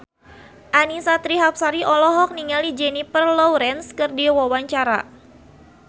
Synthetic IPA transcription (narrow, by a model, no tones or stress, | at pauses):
ʔanisat̪ɾiɦap̚saɾiʔɔlɔɦɔk̚niŋalid͡ʒɛnipərlɔwɾɛnskɨrdiwawaɲt͡ʃaɾa̰